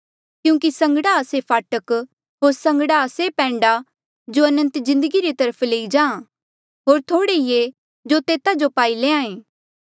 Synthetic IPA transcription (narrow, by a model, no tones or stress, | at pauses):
kjũːkisɐ̃ŋɡəɽaːsepʰaːʈək | ɦoːɾsɐ̃ŋɡɽasepɛ̃ːɳɖa | d͡ʒoɐnə̃nt̪zɪ̃nd̪əɡiɾet̪ɐɾəpʰleːid͡ʒãːã | ɦoːɾt̪ʰoːɽeije | d͡ʒot̪eːt̪ad͡ʒopaːileãːẽː